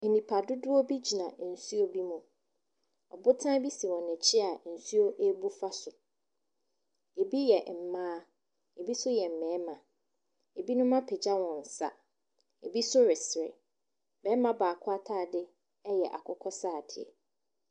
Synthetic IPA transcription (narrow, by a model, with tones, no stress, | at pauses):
e˨nĩ˨pʰa˨dʊ˦dʊ˦o˦bi˦d͡ʑi˨nã˨˦n̩˨su˦o˦bi˦mũ˨ | ɔ̰˨bʊ˦tʰã˦bi˦si˨wɔ̃˨nɪ̃˨t͡ɕʰɪ˦a˨˦n̩˨su˦o˦ʔe˦bu˦fa˦sʊ˨ | e˨bi˦jɛ˨m̩˨mãː˦ | e˨bi˦sʊ˦jɛ˨m̩˨mɛ̃ː˨˦mã˨ | e˨bi˦nʊ̃˦mã˦pʰɛ˨d͡ʑa˦wɔ̃˨n̩˨sa̰˦ | e˨bi˦sʊ˦ɾɪ˨sɪ˨ɾɪ̰˨ | bɛ˦mã˦baː˨kʰʊ˦a˦tʰaː˦˨dɪ˦ | ɛ˦jɛ˨ʔa̰˨kʰɔ˦kʰɔ˦saː˦˨dɪ˨ɛ̰˨